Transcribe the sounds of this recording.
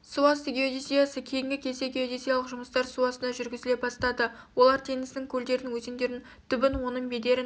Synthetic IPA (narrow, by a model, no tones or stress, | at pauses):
suɑst̪eɡʲeod̪esijasəkʲʰe̞jɪŋɡʲɪkʲʰe̞se̞ɡʲeod̪esijɑlˠəqʒʊməst̪ɑɾsuɑsənɑʒʏɾɡʲɪzɪle̞p̚bɑst̪ɑd̪ə | wo̞lˠɑɾt̪ʰe̞nɪsnɪŋkʲʰɵld̪e̞ɾɪnɪŋwɵzend̪e̞ɾɪn | t̪ʰʏbɪnwo̞nəmbe̞d̪e̞ɾɪn